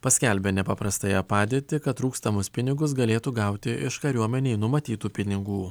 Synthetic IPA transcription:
pɐsʲkʲɛlʲbʲenʲɛpɐpɾɐst̪ɐjɛpɑːd̪ʲiːt̪ʲɪkɐt̪ːɾuːkst̪ɐmʊspʲɪnʲɪɡʊs̬ɡɐlʲeːt̪uːɡɑˑʊt̪ʲɪʔɪʃkɐɾʲuɔmʲɛnʲɛɪnʊmɐt̪ʲiːt̪uːpʲɪnʲɪɡuː

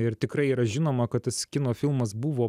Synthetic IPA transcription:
ɪɾt̪ʲɪkɾɐɪiːɾɐʒʲɪnoːmɐkɐt̪̚t̪ɐskʲɪnoːfʲɪlˠmɐs̬buʋoː

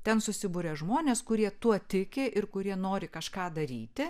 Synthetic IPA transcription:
t̪ʲɛnsʊsʲɪbuːɾʲɛʒmoːnʲeːskʊɾʲiɛt̪uɔt̪ʲɪkʲɪʔɪɾkʊɾʲiɛnoːɾʲɪkɐʃkɑːd̪ɐɾʲiːt̪ʲɪ

